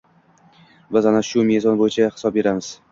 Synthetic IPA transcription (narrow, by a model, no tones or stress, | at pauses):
bɪzanaʃʊme̞zɒnbojɪt͡ʃʰahɪsɒb̚be̞ɾamɪz̥